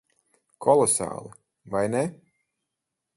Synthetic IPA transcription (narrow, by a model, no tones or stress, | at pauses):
kʰɔlˠɔsa̰ːlˠi | vajnɛ